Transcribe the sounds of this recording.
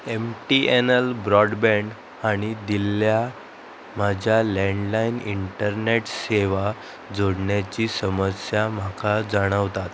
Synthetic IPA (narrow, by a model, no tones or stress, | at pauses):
emʈienəlbɾɔɖbɛ̃ɳɖ | aɽ̃id̪ilːja | m̤ad͡ʑʱjalɛɳɖlainiɳʈəɾneʈseʋa | d͡zoɽɳjat͡ɕiːsəməsjam̤akad͡zəɽ̃əʋt̪at̪